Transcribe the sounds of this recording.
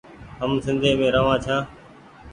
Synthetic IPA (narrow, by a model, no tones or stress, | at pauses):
ɦəmsɪ̃nd̪ʱẽːmẽːɾəʋãːt͡ʃʰãː